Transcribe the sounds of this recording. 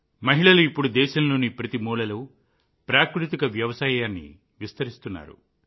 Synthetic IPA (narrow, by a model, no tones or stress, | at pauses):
mɐɦiɭɐluipːuɽud̪ɛːʃɐmlo̞ːnipɾɐt̪imuːlɐluː | pɾaːkɾut̪ikɐʋjɐʋɐsaːjaːnːḭ | ʋist̪ɐɾist̪unːa̰ːɾṵ